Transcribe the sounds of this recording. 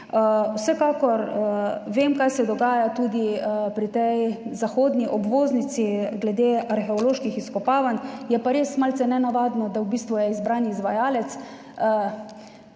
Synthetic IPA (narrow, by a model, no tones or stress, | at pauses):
əwsɛkaːkɔɾʋeːmkajsɛd̪ɔɡaːjat̪uːd̪ipɾit̪ɛjzaxoːd̪niʔɔbʋoːznit̪siɡlɛd̪eːaɾxɛɔloːʃkixiskɔpaːʋanjɛpaɾeːsmalt̪sɛnɛnaʋaːd̪nɔd̪awbiːst̪ʋujɛizbɾaːniizʋajaːlɛt̪s | ə